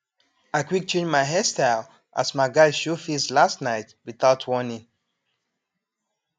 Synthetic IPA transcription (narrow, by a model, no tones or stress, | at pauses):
aɪkwik̚t͡ʃʰẽnmaɪɦɛstaɪl | ʔa̰smaɪɡaɪʃofislastnaɪtwiθaʊtʰwɔnĩŋ